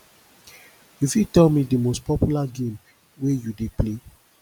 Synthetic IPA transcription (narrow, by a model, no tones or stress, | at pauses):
jufitɛlmidimospɔpjulaɡẽm | wejudeple